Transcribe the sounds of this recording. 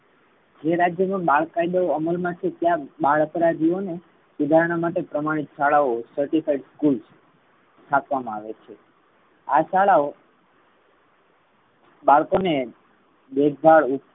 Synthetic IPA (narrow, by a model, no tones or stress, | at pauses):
d͡ʒeɾad͡ʒjəmãbaɭkːajd̪aoəməlmãt͡ʃʰet̪jãbaɭəpəɾad͡ʒ̪ʱione | sɪd̪ʱaɾəɽ̃amaʈepɾəmaɽ̃it̪ʃaɭaosəɾʈifaiɖskuls | ʈ̪ʰapʋamãaʋet͡ʃʰe | a̰ʃaɭao | baɭkone | beɡɡ̪ʱaɭu